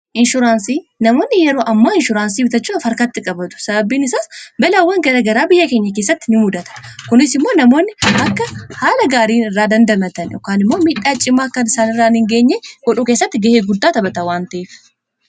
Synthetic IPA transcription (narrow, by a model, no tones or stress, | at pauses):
ʔɪnʃʊɾaːnsiːnɐmo̞ːnːɪjɛɾo̞ːʔɐmːaːɪnʃʊɾaːnsiːbɪt̪ɐt͡ʃːuːɐfɐɾkaːt̪ːɪkʼɐbɐt̪ʊ̥sɐbɐbːiːnɪsaːsbɛlawːɐŋɡɐɾɐɡɐɾaːbɪjːɐke̞ːɲːɐkeːsːɐt̪ːɪnɪʊd̪ɐt̪ɐ̥kʊnɪsɪmːoːnɐmo̞ːnːɪʔɐkːɐhaːlɐɡaːɾiːnɪrːaːd̪ɐnd̪ɐmɐt̪ɐnjɔ̰kːaːnɪmːo̞ːmiːᶑːaːt͡ʃʼːɪmːaːkːɐnɪsaːnɪrːaːɪnhɪŋɡe̞ːɲːeːɡɔᶑuːkeːsːɐt̪ːɪɡɐheːɡʊd̪ːaːt̪ɐbɐt̪ɐwaːnt̪ɐʔeːfɪ̥